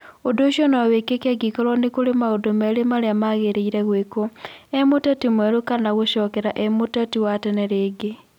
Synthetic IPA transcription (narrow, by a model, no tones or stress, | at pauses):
odoʃjonaβekekaɡikoɾɔnekulemaodomelemaɾeamaɣeɾeiɾeɣwekoemotetimweɾukanaɣoʃɔːkeɾaʔemutatiwatɛneɾeːɡe